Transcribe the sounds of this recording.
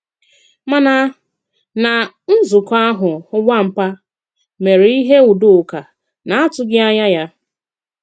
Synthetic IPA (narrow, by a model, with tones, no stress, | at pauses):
ma˨na˦ | na˨ | n̩˦zʊ˨ka˦a˦ɦʊ˨ʊ˦ɡ͡bʷa˦m̩˨pa˦ | me˨ɾi˦ɦe˦u˨dʊ˦˨ka˨ | na˨a˦tʊ˦ɡɪ˦a˦ɲa˦ja˦